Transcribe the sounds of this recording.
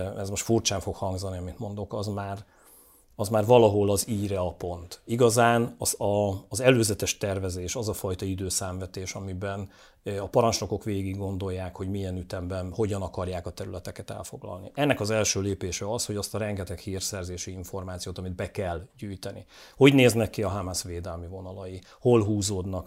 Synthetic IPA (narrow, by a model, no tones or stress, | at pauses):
ɛzmo̞ʃt̪furt͡ʃaːɱfo̞khɒŋɡzɒniɒmit̪mo̞nd̪o̞kɒzmaːr | ɒzmaːrvɒlɒɦo̞lɒziːɾɛɒpo̞nt̪iɡɒzaːnɒzɒːzɛløːzɛt̪ɛʃt̪ɛrvɛzeːʃɒzɒfɒjt̪ɒid̪øːsaːɱvɛt̪eːʃɒmibɛn | ɒpɒɾɒnt͡ʃlo̞ko̞kʋeːɡiɡɡo̞nd̪o̞jːaːkho̞ɟmijɛnyt̪ɛmbɛnho̞ɟɒnɒkɒrjaːkɒt̪ɛɾylɛt̪ɛkɛt̪ɛ̰lfo̞ɡlɒ̰lniʔɛnːɛkɒzɛlʃøːleːpeːʃɛɒsho̞ɟɒst̪ɒɾɛŋɡɛt̪ɛkhiːrsɛrzeːʃiiɱfo̞rmaːt̪sijoːt̪ɒmid̪̚bɛkɛlɟyːjt̪ɛnḭ | ho̞ɟneːznɛkːiɒɦamasʋeːd̪ɛlmivo̞nɒlɒji | ho̞lɦuːzoːd̪nɒk